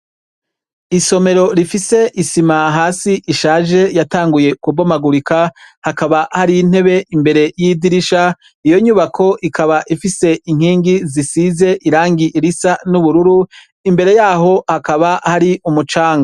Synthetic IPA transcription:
iso̞me̞ɾo̞ɾifise̞ʔisimaɦaːsiʔiʃaːʒe̞jataːŋɡuje̞kubomaɡuɾikahakaβahaɾiin̥he̞βe̞ʔimbe̞ɾe̞jidiɾiʃa | ijo̞ɲuːβakʰo̞ʔikʰaβaʔifise̞iŋ̥hiːŋɡizisize̞ʔiɾaːŋɡiʔiɾisanuβuɾuɾu | imbe̞ɾe̞jaːɦo̞hakaβahaɾiumut͡ʃaːŋɡa

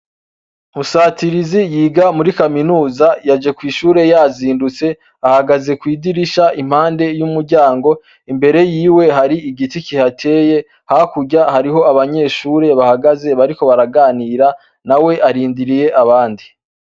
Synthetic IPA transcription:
musaːtiɾizijiːɡamuɾikaminuːzajad͡ʒe̞kwiːʃuːɾe̞jaziːndut͡se̞ | ahaɡaze̞kwiːɡiɾiʃaʔim̥haːnde̞jumuɾɟaːŋɡo̞ | imbe̞ɾe̞jiːwe̞ɦaɾiiɡiticihatʰe̞je̞ | hakuɟahaɾiɦo̞aβaɲe̞ːʃuːɾe̞βahaɡaze̞βaɾiko̞βaɾaɡaːniːɾa | nawe̞ʔaɾiːndiɾije̞ʔaβaːndi

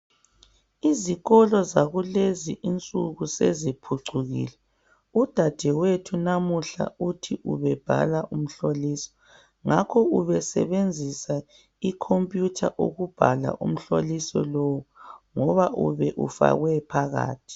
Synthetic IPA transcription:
iziɣɔlɔzaɣuleziʔint͡sʼuɣusezipʰuǀʱuɣḭːlɛ | ud̥ʱad̥ʱɛwetʰunamuɬa̰utʰiʔṵβɛb̥ʱa̰laʔum̩ɬoliːsɔ̥ | ŋakʰɔuβɛsɛ̰βend͡zʱisa | ikʰompʼjutʰaʔo̰ɣub̥ʱala̰ʔṵm̩ɬolisɔ̰lowuŋɔβaʔuβɛʔṵfa̰ɣwɛpʰaɣa̰ːtʰi̥

